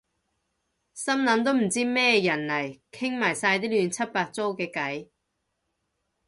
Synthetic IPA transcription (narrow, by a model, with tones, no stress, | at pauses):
sɐ˥mnɐ˨˥nt̪̬o˥wm̩˨˩t͡siː˥mɛː˥˧jɐ˨˩nlɐ˨˩jkʰɪ˥ŋmaː˨˩jsaː˧jt̪iː˥lyː˨˧nt͡sʰɐ˥t̚paː˧t̚t͡so˥wkɛː˧kɐ˨˥j